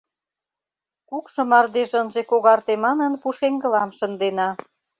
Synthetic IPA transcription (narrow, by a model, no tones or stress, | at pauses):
kukʃɤ̆mɑrd̪eʒənʒekoɣɑrt̪emɑnə̆npuʃeŋɡə̆lɑmʃə̆nd̪enɑ